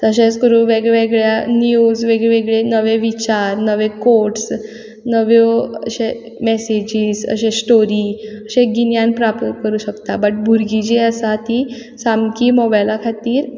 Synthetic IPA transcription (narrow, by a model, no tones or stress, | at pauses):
t̪əɕẽt͡skəɾuʋeɡeɡɭjanijud͡zʋeɡɭeʋeɡɭenəʋeʋit͡ɕaɾnəʋekoɾʈs | nəʋjoə̰ɕe | mesed͡ʑiːzə̰ɕẽsʈoɾiəɕeɡinjãnpɾapt̪əkəɾuːɕəkt̪abəʈ̚bʱuɾɡid͡ʑeəsat̪i | samkiːmɔbajlakʰat̪iːɾ